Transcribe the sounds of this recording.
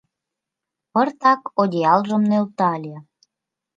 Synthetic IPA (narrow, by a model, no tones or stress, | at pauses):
pɤrt̪ɑkod̪ʲeɑlʒə̆mnølt̪ɑlʲe